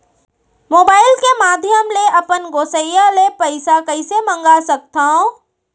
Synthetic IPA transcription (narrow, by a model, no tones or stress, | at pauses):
moːbaːɪlkemaːd̪ʱjəmleʔɐpənɡoːsəjjalepɐɪsakɐɪsemɐ̃ŋɡasɐk̚t̪aɦõ